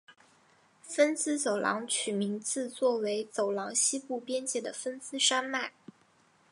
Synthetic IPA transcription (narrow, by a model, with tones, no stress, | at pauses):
fə˥nsɹ̩˥t͡so˨˩ʊlʔɑ̰˧˥ŋt͡ɕʰy˨˩mi˧˥ŋt͡sɹ̩˥˧t͡swɔ˥˩we˧˥ɪt͡so˨˩ʊlɑ˧˥ŋɕi˥pu˥˩pjɛ˥nt͡ɕjɛ˥˩d̪ə̰˨˩fə˥nsɹ̩˥ʂa˥nma˥˩ɪ